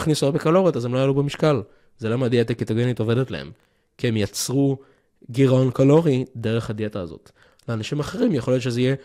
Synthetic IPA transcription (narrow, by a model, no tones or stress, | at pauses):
χnisubekalo̞ʁitazemlojalubemiʃkal | zelamadiatakit̪aɡenit̪ovede̞tla̰ḛm | kie̞mjat͡sʁu | ɡiʁao̞nkalo̞ʁideʁeχhad̪iataːzo̰t̪ | leanaʃimaχeʁimjeχo̞ljo̞t̪ʃezeije